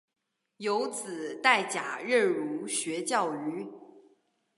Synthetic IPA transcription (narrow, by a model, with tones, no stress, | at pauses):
jo˧˥ʊt͡sɹ̩˨˩˦t̪a˥˩ɪt͡ɕja˨˩ɻə˥˩ɻu˧˥ɕɥɛ˧˥t͡ɕjɑ˥˩ʊy˧˥